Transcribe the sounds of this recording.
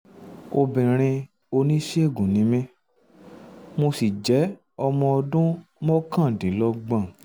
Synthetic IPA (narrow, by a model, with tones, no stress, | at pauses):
o˧bĩ˨ɾ̃ĩ˧ | o˧nĩ˦ʃe˦e˦˨ɡũ˨nĩ˨˦mĩ˦ | mo˧si˨d͡ʒɛ˨˦ | ɔ˧mɔ̃˧ɔ˧dũ˦mɔ̃˦kã˦˨dĩ˨˦lɔ˧ɡ͡bã˦˨